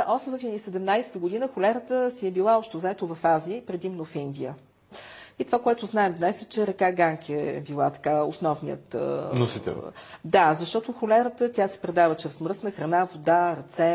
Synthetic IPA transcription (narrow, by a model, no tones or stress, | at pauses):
ʔɔsɛmsɔt̪ʲinisɛd̪ɛmnajsɛ̥t̪əɡʊd̪inəxʊlʲɛɾət̪əsiɛbilˠaɔʃt̪ozaɛt̪oʊvɐfaziəipɾɛd̪imnofind̪iə̰ | it̪ovakoɛt̪ʊznaɛmvnajsɛt͡ʃɛɾɐkaɡaŋkʰiɛbilˠat̪ɐ̥kaosnɔvnḭjə̰t̪nosit̪ɛ̰d̪azɐʃt̪ɔt̪oxʊlɛɾət̪ət̪ʲasɛ̥pɾɛd̪avət͡ʃɾɛsmɾəsnəxɾɐnavod̪aɾɐt̪sɛ